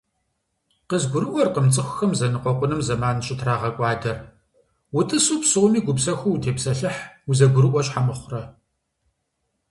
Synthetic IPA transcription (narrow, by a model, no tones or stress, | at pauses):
qəzɡʷʊɾɨʔʷɔrqəmt͡sʼɨxʷxɐmzɐnɨqʷɔqʷʊnɨmzɐmaːnɕʼɪtʰraːʁɐkʷʼɑːdɐr | wʊtʼɨsuːpsɨʁʷʊmiːɡʷʊpsɐxʷuwtʰeːpsɐɬɨħwuzɐɡʷʊɾɨʔʷɔɕʼħamɨχʷʊrɐ